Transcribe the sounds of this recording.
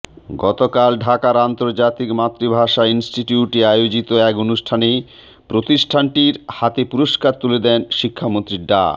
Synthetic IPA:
ɡɔt̪okalɖʱakaɾant̪oɾd͡ʑat̪ikmat̪ːɾibʱaʃainsʈiʈiuʈeajod͡ʑit̪oɛkonuʃʈʰane | pɾot̪iʃʈʰaɳʈiɾhat̪epuɾoʃkaɾt̪uled̪ɛnʃikʰːamont̪ɾiɖa̰

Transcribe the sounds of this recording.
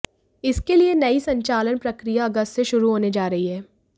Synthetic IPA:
ɪskelienɐisɐ̃ɲt͡ʃaːlənpɾɐkɾijaɐɡəst̪seʃʊɾuɦoːned͡ʒaːɾɐɦiɦɛː

